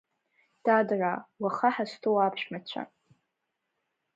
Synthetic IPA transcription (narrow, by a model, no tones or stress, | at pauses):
d̥adrawaχaħastʰowapʰʃᶣmat͡ɕʷʰa̰